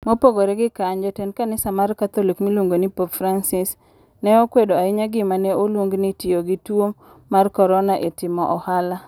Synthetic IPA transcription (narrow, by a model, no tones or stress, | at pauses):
mopoɡoɾeɡɪkaɲd͡ʒɔtɛnkanɪsamarkat̪ɔlikmiluŋɡonipopfɾansɪs | nɛokwedoaɪɲaɡɪmaneolwoŋɡnitɪoɡɪtwomː | arkɔɾɔnaʔetɪmɔʔɔhala